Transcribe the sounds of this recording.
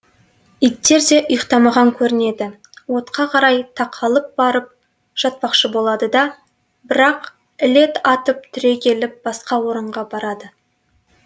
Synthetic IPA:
ijt̪ːe̞ɾd̪e̞ʔʊjəqt̪ɑmɑʁɑŋkʲʰɵɾɪne̞d̪ɪ | wo̞t̪qʰɑqʰɑɾɑjt̪ʰɑqʰɑlˠəp̚bɑɾəp̚ | ʒ̥ɑt̪̚pɑqʃəbo̞lˠɑd̪əd̪ɑ | bɪɾɑq | ɪle̞t̪ɑt̪əp̚t̪ʰʏɾe̞kʲʰe̞lɪp̚b̥ɑsqɑwo̞ɾəɴʁɑbɑɾɑd̪ə

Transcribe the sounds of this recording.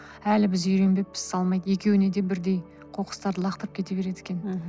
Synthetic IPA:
ælɪbɪzʏjɾe̞mbe̞pːɪ̥zsɑlˠmɑjd̪əje̞kʲʰe̞wɪne̞d̪e̞bɪɾd̪e̞j | qʰo̞qə̥st̪ɑɾd̪əlˠɑqt̪əɾəp̚kʲet̪e̞be̞ɾe̞d̪ekʲe̞n

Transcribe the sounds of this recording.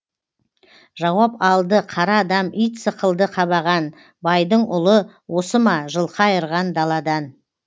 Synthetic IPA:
ʒɑwɑpɑlˠd̪əqʰɑɾɑːd̪ɑmijt̪səqəlˠd̪əqʰɑβɑʁɑn | bɑjd̪əɴʊlˠəwo̞səmɑʒəlˠqɑjəɾʁɑnd̪ɑlˠɑd̪ɑn

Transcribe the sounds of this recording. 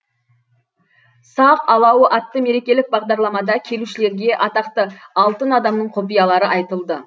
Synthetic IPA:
sɑqɑlˠɑwəʔɑt̪ːəme̞ɾe̞kʲe̞lɪk̚bɑʁd̪ɑɾlˠɑmɑd̪ɑkʲʰe̞luʃɪle̞ɾɡʲe̞ʔɑt̪ɑqt̪əɑlˠt̪ənɑd̪ɑmnəɴqʰopijɑlˠɑɾəʔɑjt̪əlˠd̪ə

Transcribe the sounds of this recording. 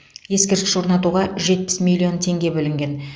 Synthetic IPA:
je̞skʲeɾt̪ʲɪʃwo̞ɾnɑt̪uʁɑʒe̞t̪̚pɪ̥smʲilʲio̞nt̪ʰe̞ŋɡʲe̞bɵlɪŋɡʲe̞n

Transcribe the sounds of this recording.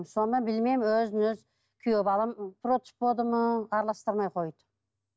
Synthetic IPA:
msond̪ɑnbɪlmemwɵzɪnøz | kʲʰʏjøbɑlˠɑmpʰɾot̪spbod̪əməɑɾlˠɑst̪əɾmɑjqʰo̞jd̪

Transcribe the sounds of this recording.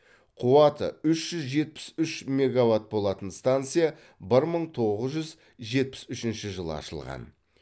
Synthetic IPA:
qʰuwɑt̪ə̰ʏʃʒ̥ʏzʒe̞t̪̚pɪ̥sʏʃmʲe̞ɡavat̪̚bo̞lˠɑt̪ənst̪ant̪sɨija | bɪɾməɴt̪ʰo̞ʁəzʒʏz | ʒe̞t̪̚pɪ̥sʏʃɪnʃɪʒəlˠə̰ɑ̰ʃəlˠʁɑ̰n

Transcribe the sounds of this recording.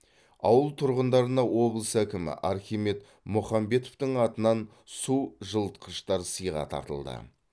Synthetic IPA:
ɑwəlˠt̪ʰʊɾʁənd̪ɑɾənɑwo̞blˠəsækʲɪmɪ̰ʔɑɾχʲijme̞t̪ | mʊχɑmbe̞t̪ovt̪əɴɑt̪ənɑn | suʒəlˠt̪̚qʰəʃt̪ɑɾsəjʁɑ̰t̪ʰɑ̰ɾt̪ə̰lˠd̪ə̰

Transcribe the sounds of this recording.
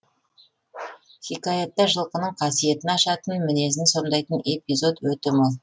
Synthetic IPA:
χʲikaet̪ːɑʒəlˠqənəɴqʰɑsije̞t̪ɪnɑʃɑt̪ənmɪne̞sɪŋso̞nd̪ɑjt̪əne̞pʲizo̞d̪wɵt̪ɪmɑlˠ

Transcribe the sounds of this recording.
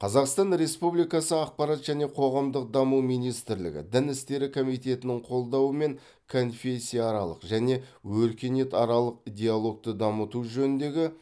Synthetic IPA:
qʰɑzɑqst̪ɑnɾe̞spublijkɑsəɑq̚pɑɾɑt̪ʒæne̞qʰo̞ʁɑmd̪əq̚d̪ɑmuwmijnijst̪ɪɾlɪ̰ɡʲɪ̰d̪ɪnɪst̪e̞ɾɪkʰo̞mijt̪e̞t̪ɪnɪŋqʰo̞lˠd̪ɑwəme̞ŋ | kʰo̞nfʲe̞sʲːijɑːɾɑlˠə̰qʒæne̞wɵɾkʲe̞ne̞t̪ɑɾɑlˠəqid̪ʲe̞alˠo̞k̚t̪əd̪ɑmət̪uʒɵnɪnd̪e̞ɡʲɪ

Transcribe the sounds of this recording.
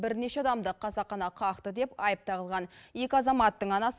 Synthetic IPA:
bɪɾne̞ʃeɑd̪ɑmd̪əqʰɑzɑqχɑnɑqʰɑqt̪əd̪e̞pɑjəp̚t̪ɑʁəlˠʁɑne̞kʲɪɑzɑmɑt̪ːəɴɑnɑs

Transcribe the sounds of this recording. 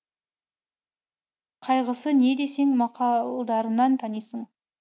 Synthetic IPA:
qʰɑjʁəsəne̞d̪e̞se̞ŋmɑqɑlˠd̪ɑɾənɑnt̪ʰɑnijsəɴ

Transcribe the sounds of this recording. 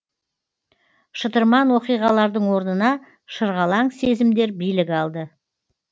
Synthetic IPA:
ʃət̪əɾmɑnwo̞qijʁɑlˠɑɾd̪əɴwo̞ɾnənɑ | ʃəɾʁɑlˠɑɴse̞zɪmd̪e̞ɾbijlɪkʲɑlˠd̪ə

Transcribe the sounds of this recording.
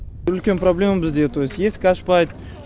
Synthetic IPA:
ʏlkʲe̞npɾoblʲe̞mbɪzd̪et̪ʰojsjeskʲaʃpɑjt̪̚

